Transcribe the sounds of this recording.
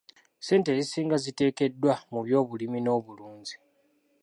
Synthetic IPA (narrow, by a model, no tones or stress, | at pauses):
se̞ːntezisiːŋɡazite̞ːke̞dːwamuβjo̞ːβulimino̞ːβuluːɲzi̥